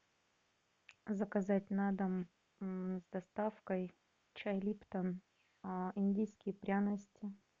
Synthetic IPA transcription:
zɐkɐzatʲnad̪əm | zd̪ɐst̪afkəj | t͡ɕajlʲipt̪ən | inʲdʲijskʲɪjpɾʲanəsʲtʲɪ

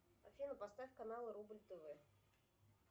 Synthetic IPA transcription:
a̰fʲinəpast̪afʲkanalˠɨɾubɨlʲt̪ɨvɨ

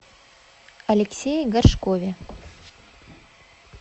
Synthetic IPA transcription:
ɐlʲeksʲejɡɐrʂkovʲe

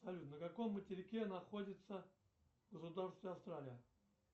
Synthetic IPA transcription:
sɐlʲut̪nənəkɐko̞mːətʲɪɾʲɪkʲenɐxo̞dʲɪt̪sə | ɡəsʊd̪arst̪vʲɪɐfst̪ɾalʲɪjə

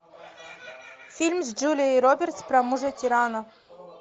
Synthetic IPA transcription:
fʲilʲmsd͡ʒulʲiiɾobʲert̪spɾamuʐət̪ʲiɾɑnɐ

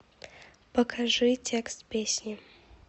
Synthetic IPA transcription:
pəkʰaʐɨtʲekst̪pʲesʲnʲi

